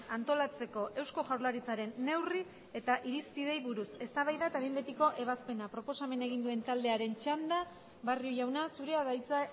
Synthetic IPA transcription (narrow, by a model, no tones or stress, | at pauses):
ant̪o̞lat͡se̞ko̞ʔe̞wsko̞ʝawɾlaɾit͡saɾe̞nːe̞wri | e̞t̪aʔiɾispið̞e̞jβuɾuse̞st̪aβajðaet̪aβejmbe̞t̪iko̞ʔe̞βaspe̞napɾo̞po̞same̞ne̞ɣ̞ind̪ue̞nt̪ald̪e̞aɾe̞nt͡ʃand̪a | βarioʝawnasuɾe̞aðajt͡sa